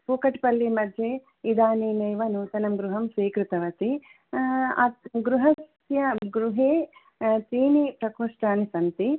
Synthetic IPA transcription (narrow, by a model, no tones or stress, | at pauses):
puːkɐʈpɐlːimɐd̪ʱjeː | id̪aːnineːʋɐnut̪ɐnɐmɡɾuɦɐmsʋiːkɾut̪ɐʋɐt̪i | aɡɾuɦɐs | jɐɡɾuɦeː | t̪iːnipɾɐkoːʂʈaːnisɐnt̪i